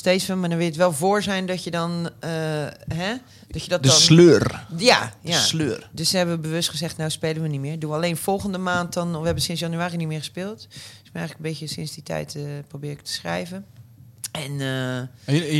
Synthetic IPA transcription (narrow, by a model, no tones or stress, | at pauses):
steːsʋənmaɹdɔnʋɪlətʋɛlˠvoːɹzɛjndɔtjədɔnəɦɛ | d̥ɔtjədɔtdəslørjajasløːrdøsdɛbənʋəbəʋøstχəzɛxtnowspeːlənʋənimɪːɹduʋəaleːnfɔlˠɣəndəmaːnt̚dɔnʋəɦɛbənsɪnsjanyaːrinimɪːɹɣəspɪːlˠtɪsmənɛjɣələkəbɪtəsɪnsditʰɛ̰jtəprowbɪːɪk̚tʰə̥sχrɛ̰jvənʔɛnə